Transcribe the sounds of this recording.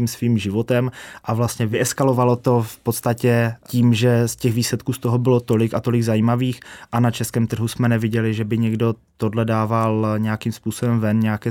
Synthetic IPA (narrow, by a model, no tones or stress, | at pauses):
iːmsviːmʒɪvo̞t̪ɛmʔavlast̪ɲɛvɪɛskalo̞valot̪o̞fpot̪st̪acɛciːmʒɛscɛɣviːslɛt̪̚kuːst̪o̞ɦo̞bɪlo̞t̪o̞lɪkat̪o̞lɪɡzajiːmaviːxʔanat͡ʃɛskɛːmt̪r̩ɦusmɛnɛvɪɟɛlɪʒɛbɪɲɛɡdo̞t̪o̞dlɛdaːvalɲɛjakiːmspuːso̞bɛmvɛnɲɛjakɛː